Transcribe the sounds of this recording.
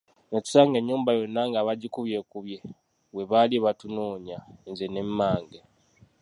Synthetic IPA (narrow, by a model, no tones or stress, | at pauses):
nocu̥saːŋɡe̞ɲːuːmbajo̞nːaŋɡaːβaɟikuβje̞kuβje̞ | we̞βaliβatunoːɲanzenemːaːŋɡe